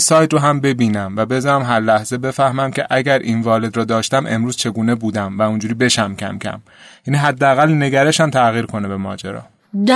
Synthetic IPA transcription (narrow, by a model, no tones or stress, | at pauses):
sɒːjt̪ɾoɦæmbe̞biːnæmvæbe̞zɒːnæmɦæɾlæhz̥e̞be̞fæhmæmcʲʰeʔæɟæɾʔḭːnvɒːle̞d̪ɾɒːd̪ɒːʃt̪æmʔe̞̰mɾuːz̥t͡ʃʰe̞ɡuːnebuːd̪æmvæund͡ʒuːɾibe̞ʃæmcʲʰæ̰mcʰæ̰m | jæniɦæd̪ːeæɣælne̞ɡæɾe̞ʃæmt̪ʰæɣiːɾkʰo̞nebe̞mɒ̰ːd͡ʒḛɾɒ̰ː